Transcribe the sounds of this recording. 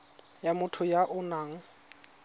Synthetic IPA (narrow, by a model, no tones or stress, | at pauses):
jamʊtʰʊjaʔʊnaːŋ̩